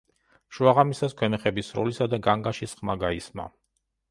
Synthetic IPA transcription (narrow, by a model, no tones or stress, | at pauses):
ʃuaʁamisaskʰwɛmɛχɛbisɾɔ̰lisad̪aɡaŋɡaʃisχmaɡaisma̰